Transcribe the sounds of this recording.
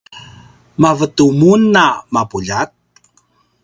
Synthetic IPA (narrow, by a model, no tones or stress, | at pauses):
mavətumunːamapuʎat̚